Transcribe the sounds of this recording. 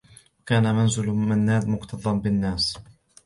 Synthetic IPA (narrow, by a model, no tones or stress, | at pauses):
wakaːnamanzɪlmanːaːd̪mʊqt̪ʰɑðˤːɑnbɪnːaːs